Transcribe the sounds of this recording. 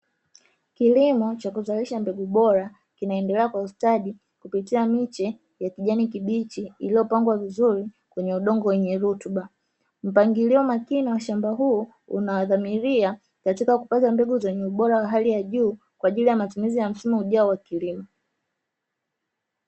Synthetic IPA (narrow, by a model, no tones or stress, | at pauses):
kilimɔt͡ʃakuzaliʃambɛɡuɓɔɾa | kinaɛndɛlɛakwaustaɗi | kupitiamit͡ʃɛ | jakiʄanikiɓit͡ʃiiliɔpaŋɡwavizuɾi | kwɛɲɛuɗɔŋɡɔwɛɲɛɾutuɓa | m̩paŋɡiliɔmakiniwaʃambaɦuː | ṵnawaðamiɾia | katikakupatambɛɡuzɛɲɛuɓɔɾawaɦalijaʄuː | kwaːʄilijamatumizijam̩simuuʄaɔwakilimɔ